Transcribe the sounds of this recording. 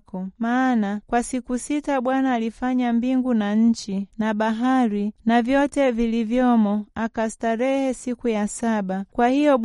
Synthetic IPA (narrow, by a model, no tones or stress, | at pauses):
kɔmaːnakwasikusitaɓwanaːlifaɲambiŋɡunaɲ̩t͡ʃinaɓaɦaɾinavjɔtɛvilivjɔmɔakastaɾɛhɛsikujasaɓakwahijɔɓ